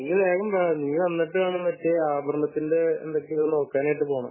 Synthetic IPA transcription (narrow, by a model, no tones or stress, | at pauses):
lileːɣɐmbaniːɐʋɐnːiʈːɨaːɳɐnɐtːeaːbrmɐt̪ːindeḛnd̪okːeno̞ːkːaːnaːjiʈːɨpo̞ːɳɐm